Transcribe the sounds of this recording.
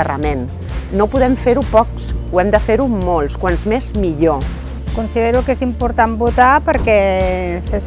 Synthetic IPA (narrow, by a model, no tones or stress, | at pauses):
ərə̰menː | opuðɛmfeɾupɔksuɛmd̪əfeɾumolˠskwanzmezmiʎo | kunsiðeɾukezimpuɾt̪ambut̪apəɾkɛsəs